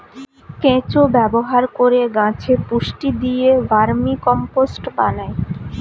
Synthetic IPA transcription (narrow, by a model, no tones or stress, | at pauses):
kẽt͡ɕobɛboɦaɾkoɾeɡãt͡ɕʰepuʃʈid̪ijevaɾmikɔmposʈpanae